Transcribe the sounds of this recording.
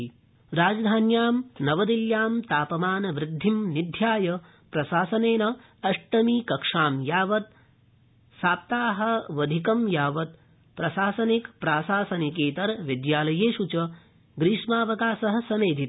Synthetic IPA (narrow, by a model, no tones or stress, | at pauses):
ɾaːd͡ʒɐd̪ʱaːnjaːmnɐʋɐd̪iljaːmt̪aːpɐmaːnɐʋɾɪd̪ʱːimnid̪ʱjaːjɐ | pɾɐʃaːsɐneːnɐ | ɐʂʈɐmiːkɐkʂaːmjaːʋɐt̪̚ | saːp̚t̪aːɦɐ̆ʋɐd̪ʱikɐmjaːʋɐt̪̚ | pɾɐʃaːsɐnikpɾaːsaːsɐnikeːt̪ɐɾʋid̪jaːlɐjeːʃut͡ʃɐ | ɡɾiːʂmaːʋɐkaːsɐɦɐ̆sɐmeːd̪ʱit̪